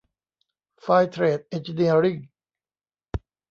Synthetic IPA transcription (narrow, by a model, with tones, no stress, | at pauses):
faː˧jt̪ʰɾeː˨˩t̪̚ʔe˧nt͡ɕi˧ni˧əɾi˥˩ŋ